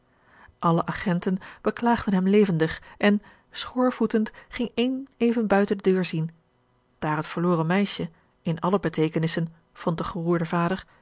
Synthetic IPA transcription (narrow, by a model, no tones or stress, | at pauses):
ʔɑləʔaχɛntənb̥əklaːχd̥ənɦɛmlejvəndəχʔɛn | sχʊːɹvutəntχɪŋejnejvənbœɥtəndədøːɹzin | d̥aːɹɦətfəɹlʊːrəmɛjʃə | ɪnɑləbətejkənɪsən | v̥ɔnt̚dəχəruːɹdəvaːdəɹ